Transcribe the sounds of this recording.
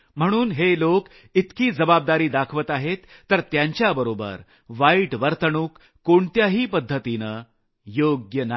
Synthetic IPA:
m̤əɽ̃uːnɦelok | it̪kiːd͡zəbab̚d̪aɾiːd̪akʰʋət̪aɦet̪ːəɾt̪jaɲt͡ɕjabəɾobə̰ɾ | ʋaiʈʋəɾt̪əɳuːkː | oɳt̪jaɦiːpəd̪ʱːət̪inə | joɡjəna

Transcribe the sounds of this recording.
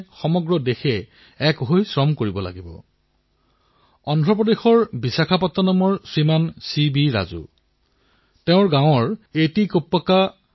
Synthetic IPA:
xɔmɔɡɹɔdexɛ | ɛkɦojsɹɔmkoɹibɔla̰ɡibɔ̰ | ɔndʱɹɔpɹɔdexɔɹbisakʰapɔtːɔnɔmɔɹsɹimansibiɹa̰zṵ | teʊ̃ɹɡãw̃ɔɹetikopːɔka

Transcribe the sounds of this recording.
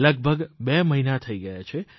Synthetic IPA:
ləɡ̚bʱəɡbeməɦinat̪ʰəiɡəjat͡ʃʰe

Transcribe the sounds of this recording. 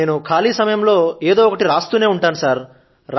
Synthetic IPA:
e̞ːnukʰaːliːsɐmɐjɐmlo̞ːeːd̪oːɔkɐʈiɾaːst̪uːne̞ːuɳʈaːnusaːɾ | ɾ

